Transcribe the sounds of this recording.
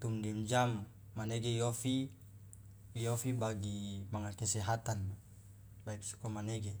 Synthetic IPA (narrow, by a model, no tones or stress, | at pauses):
t̪umdiumd͡ʒamː | aneɡejofi | jofibaɡimaŋakesɛɦat̪anma | laik̚su̥komaneɡe